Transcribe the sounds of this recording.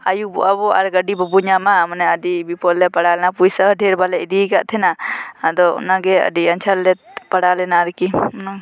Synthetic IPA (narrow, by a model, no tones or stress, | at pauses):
ajubabɔʔaɾɡəɖibɔbuɲamamanɛəɖibipɔlːɛpaɽalɛnapujsəɖʱɛɾbalɛʔd̪ikaʔt̪ʰɛnaad̪ɔ̰naɡɛə̰ɖiənt͡ʃʰaɾlɛpaɽalɛnaɾkina